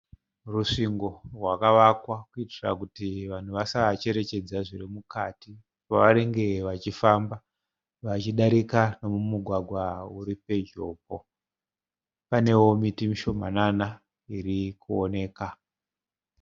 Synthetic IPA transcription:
ruʂiŋɡo̞rwakaʋakwakuitira̰kutiʋan̤uʋasat͡ʃe̞ɾe̞t͡ʃe̞d͡zaʐirimukati | paʋaɾe̞ŋɡe̞ʋat͡ʃifamba | ʋat͡ʃiɗaɾikano̞mumuɡʱwaɡʱwauɾipe̞d͡ʒo̞̰ːp̚o̞ | pane̞wo̞mitimiʃo̞m̤a̰nana | iɾikuone̞ːka

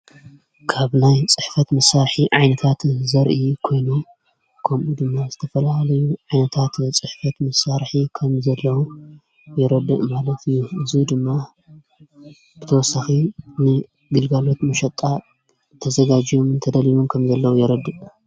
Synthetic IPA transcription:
kʰaβnajt͡sʼɨħfɐt̪mɐsːaɾħiʕajnɐt̪ʰat̪zɐɾʔikʰo̞jnu | kʰɐmʔud̪ɨmːazɨt̪ʰɐfɐlahlɐjuʕajnɐt̪ʰat̪t͡sʼɨħfɐt̪mɐsːaɾħikʰɐmzɐlːɐwu | jɛɾɐd̪ːɨʔmalɐt̪ʰɨjːuɨzid̪ɨmːa | b̥ɨt̪ʰɐwɔsaxinɨ | ɡɨlɡalo̞t̪mɐʃɐt̪ʼːa | t̪ʰɐzɐɡad͡ʒijomɨnt̪ʰɐd̪ɐliβumkʰɐmzɐlːɐwujɛɾɐd̪ːɨʔʼ

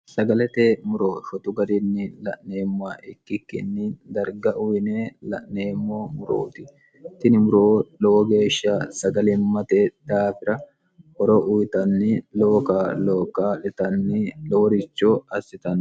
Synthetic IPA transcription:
sɐɡɐlɛt̪eːmʊɾo̞ːʃɔt̪ʊɡɐɾɪnːɪlɐ̰ʔneːmːʊaːʔɪkːɪkːɪ̰nːɪd̪ɐɾɡɐʔʊjneːlɐ̰ʔneːmːo̞ːmʊɾoːt̪ɪ | t̪ɪnɪmʊɾoːlɔwɔɡe̞ːʃːaːsɐɡɐlɪmːɐt̪eːd̪̥aːfɪɾɐ | hɔɾɔʔʊjt̪ɐnːɪloːkaːlo̞ːkːaːᶑɛt̪ɐnːɪlɔwɔɾɪt͡ʃːoːɐsːɪt̪ɐn

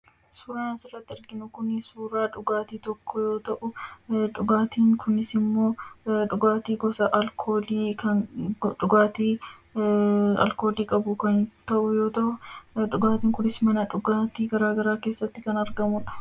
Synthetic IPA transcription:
suːɾaːnɐsɪrːɐt̪ːɪɪɾɡɪnʊkʊnɪsuːɾaːᶑʊɡaːt̪iːt̪ɔkʰːɔjo̞ːt̪ɐʔʊᶑʊɡaːt̪iːŋkʰʊnɪsɪmːo̞ːᶑʊɡaːt̪iːɡɔsɐʔɐlkʰoːliːkɐᶑʊɡaːt̪iː | ɐ̰lko̞ːliːkʼɐbʊkɐnt̪ɐʔʊjo̞ːt̪ɐʔʊᶑʊɡaːt̪iːŋkʊnɪsmɐnɐᶑʊɡaːt̪iːɡɐɾaːɡɐɾaːke̞ːsːɐt̪ːɪkɐnɐɾɡɐmʊᶑɐ̥

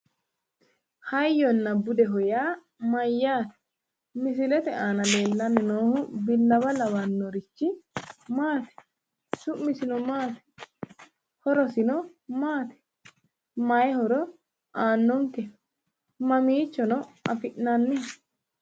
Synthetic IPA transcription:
hɐjːɔnːɐbʊd̪ɛɦɔjaː | mɐjːaːt̪ɛ̥ | mɪsɪlɛt̪ɛʔaːnɐle̞ːlːɐnːɪnoːhʊbɪlːɐbɐlɐwɐnːɔɾɪt͡ʃːɪmaːt̪ɛ̥ | sʊʔmɪsɪnɔmaːt̪ɛ̥ | hɔɾɔsɪnɔ | maːt̪ɛ̥ | mɐjɛhɔɾɔ | ʔaːnːɔŋkɛ | mɐmiːt͡ʃːɔnɔɐfɪʔnɐnːɛ

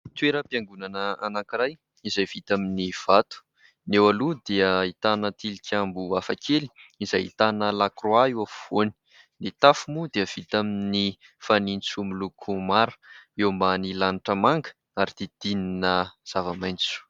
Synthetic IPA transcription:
t̪weɾəpiaŋɡunanəanakiɾaj | izajv̥it̪aminiv̥at̪u̥ | newalud̪eəit̪anət̪ilikʲʰambuafakʰeli̥izajit̪anəlakroaewavoni̥ | nit̪afumud̪eəv̥it̪amini | fanint͡sumilukʰumaɾə̥ewmbanilaniʈ͡ʂəmaŋɡə̥ | aɾid̪̥ed̪̥ininəz̥avamajnt͡su̥

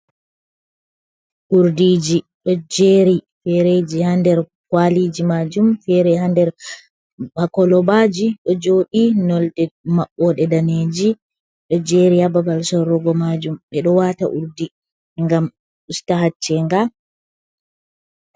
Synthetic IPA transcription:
ʔuɾdid͡ʒi | ɗɔd͡ʒeːɾi | fɛɾed͡ʒihandɛɾ | kwalid͡ʒimad͡ʒumfɛɾɛɦandɛɾ | bakɔlɔbad͡ʒiɗɔd͡ʒoːɗinɔldɛmaɓːɔɗɛdaneːd͡ʒi | ɗɔd͡ʒeɾihababalsɔɾːɔɡɔmad͡ʒumɓɛɗɔwata̰ʔuɾdi | ŋɡam | ʔustaɦat͡ʃːɛŋɡa

